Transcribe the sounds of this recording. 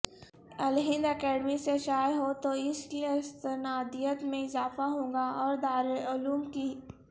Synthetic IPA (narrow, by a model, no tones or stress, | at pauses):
ɐlɦɪ̃nd̪ɐkɛːɖmiseʃaːjɦot̪oɪsiɪst̪ənaːd̪ijət̪mẽɪzaːfaɦõːŋɡaɔːɾd̪aːɾeʊluːmkiː